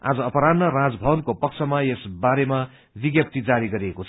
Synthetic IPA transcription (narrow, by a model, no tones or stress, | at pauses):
a̰d͡zʌʌpʌɾanːʌɾãd͡zbʱʌbʌnkopʌkt͡sʰʌmajesbaɾema | biɡjʌp̚t̪id͡zaɾiɡʌɾiekot͡sʰ